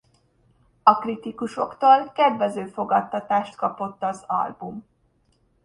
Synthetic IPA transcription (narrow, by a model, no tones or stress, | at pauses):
ɒkrit̪ikuʃo̞kt̪oːlkɛd̪vɛzøːfo̞ɡɒt̪ːɒt̪aːʃt̪kɒpo̞t̪ːɒzɒ̰lbum